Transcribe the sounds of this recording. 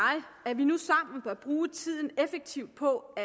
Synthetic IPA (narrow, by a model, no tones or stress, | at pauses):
ɪæɐʋinusɑ̈m̰n̩pʰɒɐb̥ʁuːt͡sʰið̞̰ˠn̩efeɡ̥̚t͡sʰiʊd̥̚pʰɒ̽æ